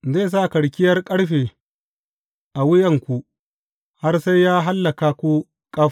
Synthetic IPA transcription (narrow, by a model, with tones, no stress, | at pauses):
zeː˦˨s̬a˦˨kɐ˨ɽkʲɪ˦jɐ˦rkʼɐ˦ɽɸeː˨ | ʔa˨wʊ˦jɐ˨ŋkʷu˨ | ha˦rsa˦jːaː˦ɦa˦lːɐ˨ka˨kʷu˦ | kʼɐ˦ɸ